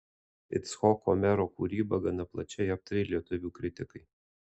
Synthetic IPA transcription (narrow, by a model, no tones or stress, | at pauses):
ɪ̰t̪sxɔːkomʲɛɾoːkṵɾʲiːbɐɡɐnɐplˠɐt͡ʃʲɛjɐp̚t̪ɐɾʲeɪlʲiɛt̪ʊʋʲuːkɾʲɪt̪ʲɪkɐɪ